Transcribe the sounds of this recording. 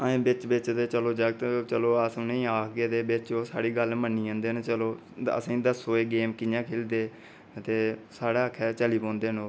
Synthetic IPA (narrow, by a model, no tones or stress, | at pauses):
əẽːbɪt͡ʃbɪt͡ʃd̪eːt͡ʃəloːd͡ʒəɡt̪t͡ʃəloːəsnəĩːaːkʰɡeːd̪eːbɪt͡ʃoːsa̰ːɽiːɡəlmənːiːãːnd̪eːnet͡ʃəloː | ə̰sĩːd̪əsoːeːɡeːmkɪnjãːkʰeːld̪eː | t̪eːsaːɽaːəkʰːɛːt͡ʃəliːpɔ̃ːnd̪eːnõː